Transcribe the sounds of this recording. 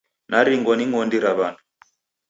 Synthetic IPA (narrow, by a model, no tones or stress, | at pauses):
nʔaɾiŋɡɔniŋɔndiɾaβanu